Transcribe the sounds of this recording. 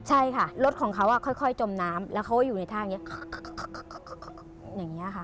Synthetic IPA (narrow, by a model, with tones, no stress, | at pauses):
t͡ɕʰa˥˩jkʰa˥˩ɾo˦˥t̪̚kʰɔː˩˦ŋkʰa˦˥wʔa˥˧˩kʰɔ˥˩jkʰɔ˥˩jt͡ɕo˧mnaː˦˥mlɛː˦˥wkʰa˦wa˥˩jːuː˨˩na˧jt̪ʰaː˥˩˨ŋːi˦˥˧ | jaː˨˩ŋːi˦˥ʔa˨˩kʰa˥˩